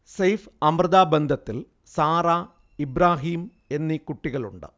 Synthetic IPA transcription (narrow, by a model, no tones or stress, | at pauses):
sejfɐmrɐðaːbend̪ʱɐt̪ːil | saːɾaː | ibɾaːɦiːm | e̞nːikuʈːiɣɐɭṵɳɖɨ̰